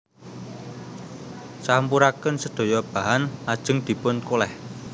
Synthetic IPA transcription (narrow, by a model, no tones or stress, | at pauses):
sampuɾakənsəd̪̥o̤jɔb̥a̤ɦanad̥ʒ̥ə̤ŋd̪̥i̤pʊnkolɛh